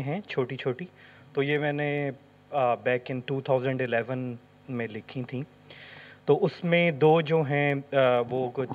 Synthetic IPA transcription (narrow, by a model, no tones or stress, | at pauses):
ɦɛ̃ːt͡ʃʰoːʈit͡ʃʰoːʈi | t̪oːjemɛ̃ːne | bɛːkɪ̃nʈuːt̪ʰaːʊzə̃ɳɖɪlɛːʋən | mẽlɪkʰĩt̪ʰĩː | t̪oːʔʊsmẽd̪oːd͡ʒoːɦɛ̃ʋoːkʊt͡ʃ